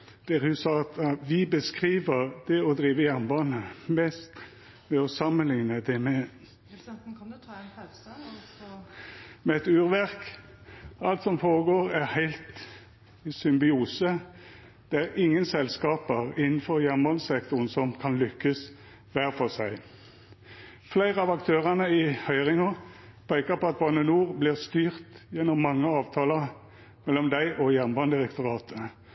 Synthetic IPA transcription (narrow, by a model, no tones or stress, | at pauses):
d̪̥ɛɾhʉsɑːɑt̪ʋɪbəskʁiːʋəʁd̪̥ɛɔd̪ɾiːʋəjæʁmbɑːnəmɛst̪ | ʋɛɔsɑmənlɪŋnəd̪ɛmɛ | mɛɛt̪ʉːʁʋæʁk | ʔɑlt̪sɔmfoːʁəɡoːɾæɾhæɪlt̪ | sʏmbɪuːsə | d̪̥ɛæʁɪŋːənsɛlskɑːpəʁɪnːn̩fɔʁjænmbɑnsɛkt̪ʊʁnsɔmkʰɑnlʏkːəs | ʋæːʁfɔsæɪ | flæɪʁəɑʋɑkt̪ʰøːʁɑnəɪhœʏʁɪŋɔpʰæɪkɑpɔɑt̪̚bɑnənuːʁblɪʁst̪yːʁt̪jɛnːɔmːɑŋːəɑːʋt̪ʰɑːlə | mɛlːɔmd̪æɪʔɔjɛnmbɑnd̪ɪʁɛkt̪ʊʁɑːt̪ʰə